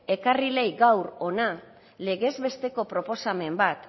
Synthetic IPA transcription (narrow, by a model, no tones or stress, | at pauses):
e̞karile̞jɡawɾo̞na | le̞ɣe̞zβe̞st̪e̞ko̞pɾo̞po̞same̞mbat̪